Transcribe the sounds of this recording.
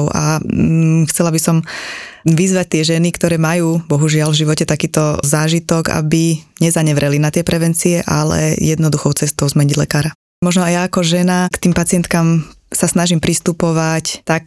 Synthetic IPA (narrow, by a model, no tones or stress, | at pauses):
ʊʔa̰ | xt͡sɛlabisɔm | ʋizʋac̚t̪ɪɛʒɛnikt̪ɔɾɛːmajuːbɔɦuʒɪalvʒiʋɔcɛt̪akiːt̪ɔzaːʒit̪ɔɡa̰biɲɛzaɲɛʋɾɛlinat̪ɪɛpɾɛʋɛnt͡siɛʔalɛ̰jɛd̪nɔd̪uxɔʊt͡sɛst̪ɔʊzmɛɲiɟlɛ̰kaːɾa | mɔʒnɔajaːkɔʒɛnakt̪iːmpat͡sɪɛnt̪kamsasnaʒimpɾist̪upɔʋact̪ak̚